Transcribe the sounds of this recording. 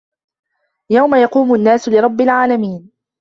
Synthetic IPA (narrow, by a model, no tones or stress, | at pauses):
jawmajɑquːmʊnːaːsʊlɪɾˤɑbːɪlʕaːlamiːn